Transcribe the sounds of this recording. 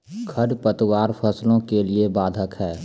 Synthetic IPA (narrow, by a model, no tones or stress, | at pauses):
kʰəɖpət̪waːɾpʰəslõkeliebaːd̪ʱəkɦɛː